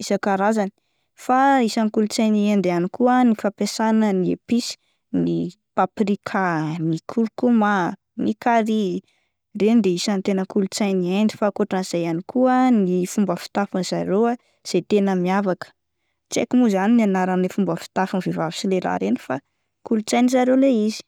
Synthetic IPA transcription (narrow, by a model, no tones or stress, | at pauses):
isakaɾazani̥ | faisanikulut͡sajniend̪anikʰuənifapesanəniḛpisi̥ | ni | paprikʰanikʰuɾkuma | nikaɾi | rend̪eisant̪enəkulut͡sajniajnd̪ifakoʈ͡ʂaiz̥ajanikʰuənifumbəfi̥t̪afunz̥aɾewa | z̥ejt̪enəmiavakə̥ | t͡sḛkimuzaninianaɾanlefumbəfi̥t̪afunivevavisilela̰ɾeni̥fa̰ | kulut͡sajnizaɾewleizi̥